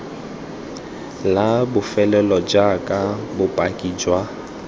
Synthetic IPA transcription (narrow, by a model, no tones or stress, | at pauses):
labʊfɛlɛlɔd͡ʒakʼabʊpʼakʼid͡ʒwa